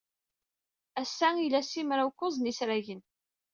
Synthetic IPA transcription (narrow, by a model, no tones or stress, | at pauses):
æsːæilæsimɾawkːʊzˤnisɾæʝən